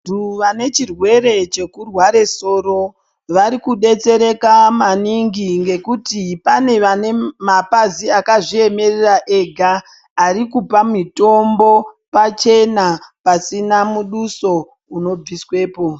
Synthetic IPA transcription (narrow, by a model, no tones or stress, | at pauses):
duʋane̞t͡ʃirwe̞ɾe̞t͡ʃe̞kurwaɾe̞so̞ːro̞ | ʋaɾikuɗe̞t͡se̞ɾe̞kamaniŋɡiŋɡe̞kutipane̞ʋane̞mapaziakaʐie̞me̞reraʔe̞ɡʱaː | ɾikupamito̞mbo̞ | pat͡ʃe̞napasinamuɗuso̞ | uno̞b͡viswe̞ːpo̞